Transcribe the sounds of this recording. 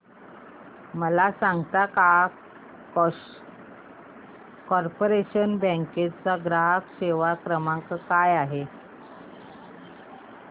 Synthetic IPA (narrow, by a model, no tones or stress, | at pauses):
məlasãŋɡt̪aka | k | kɔɾpoɾeɕənbə̃ŋket͡saɡɾaɦəkɕeʋakɾəmãŋkkajaɦe